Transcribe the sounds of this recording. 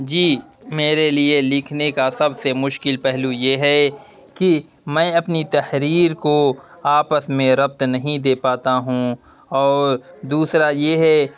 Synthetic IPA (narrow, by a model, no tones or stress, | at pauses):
d͡ʒiːmeːɾelielɪkʰnekasɐbsemʊʃkɪlpɛɦlujeɦɛ | ki | mɛ̃ːɐpnit̪ɐhɾiːɾkoaːpəsmẽɾɐb̚t̪nɐɦĩd̪eːpaːt̪aɦũ | ɔːɾd̪uːsɾajeɦɛ